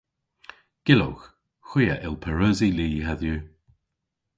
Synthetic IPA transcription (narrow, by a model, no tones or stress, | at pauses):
ɡ̥ɪlo̰wx | xwijə̰ʔɪlˠpʰɛɹoːziliːhaðju